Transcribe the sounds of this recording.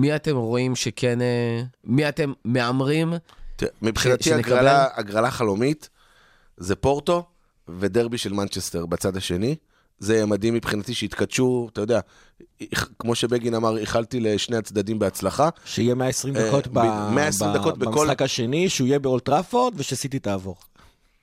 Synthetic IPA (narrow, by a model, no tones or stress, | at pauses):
miat̪e̞mʁo̞imʃekʰenemiate̞mːe̞amʁimtmipχinatiaɡʁalaaɡʁalaχalo̞mit | zepo̞ʁt̪o̞ | ve̞d̪e̞ʁbiʃe̞lmant͡ʃest̪e̞ʁbet͡sad̪aʃe̞ni | zejemad̪imːipχinat̪iʃeit̪katʃut̪ajodea | kmo̞ʃebeɡinamaʁiχalt̪ileʃnehat͡sd̪ad̪imbeat͡slaχaʃeijemeaesʁimd̪akotbmeaessʁid̪ko̞t̚bekolakaʃe̞niʃeuijebeoltʁafot̪veʃeasit̪̬itaːvo̞ʁ